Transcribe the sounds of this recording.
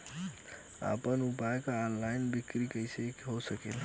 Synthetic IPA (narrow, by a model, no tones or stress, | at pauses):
a̰pənupaekaːnlaɪnbikɾikəjsekɦosəkel